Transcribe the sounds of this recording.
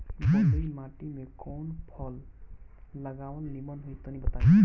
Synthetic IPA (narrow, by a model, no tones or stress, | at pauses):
bɔimaʈimekɔwnpʰɔlː | əɡawnlimɔnɦujt̪ɔnibɔt̪a